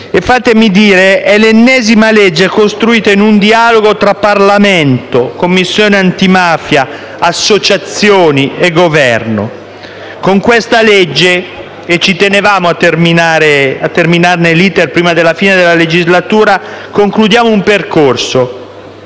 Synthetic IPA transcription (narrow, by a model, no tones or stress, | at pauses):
efːaːt̪emid̪iːɾeʔɛlenːɛːzimaled͡ʒːekost̪ɾuiːt̪einund̪ialoɡot̪ɾapːarlament̪okomːisːjoːneant̪imaːfja | asːot͡ʃat̪sːjoːnieɡovɛrno̰ | koŋkwest̪aled͡ʒːe | et͡ʃːit̪enevaːmoat̪ːerminaːɾeat̪ːerminarneliːt̪erpɾiːmad̪elːafiːned̪elːaled͡ʒizlat̪uːɾa | koŋklud̪jaːmoumperkorso